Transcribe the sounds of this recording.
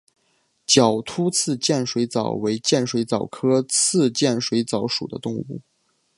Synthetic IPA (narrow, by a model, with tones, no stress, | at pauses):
t͡ɕjɑ˨˩ʊt̪ʰu˥t͡sʰɹ̩˥˧t͡ɕjɛ˥˩nʂwe˧˥ɪt͡sɑ˨˩ʊwe˧˥ɪt͡ɕjɛ˥˩nʂwe˧˥ɪt͡sɑ˨˩ʊkʰɤ˥t͡sʰɹ̩˥˧t͡ɕjɛ˥˩nʂwe˧˥ɪt͡sɑ˧˥ʊʂṵ˨˩d̪ə̰˦t̪ʊ˥˧ŋu˥˩